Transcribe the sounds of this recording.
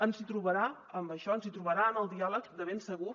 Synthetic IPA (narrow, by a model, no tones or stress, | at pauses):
ənzit̪ɾuβəɾa | əmbəʃɔənzit̪ɾuβəɾaənəlˠd̪ialəkd̪əβensəɣu